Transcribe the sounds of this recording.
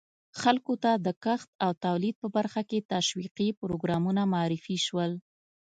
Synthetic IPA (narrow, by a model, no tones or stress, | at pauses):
xalkot̪ad̪əkaxt̪̚awt̪awlid̪̚pəbaɾxaket̪aʃwiqipʊɾoɡɾɑmunamaɑɾɪfiʃwəl